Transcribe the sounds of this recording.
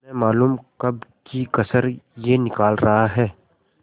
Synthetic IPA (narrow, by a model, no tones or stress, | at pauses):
ɛ̃maːluːmkɐb̚kikɐsəɾjenɪkaːlɾɐɦaɦɛː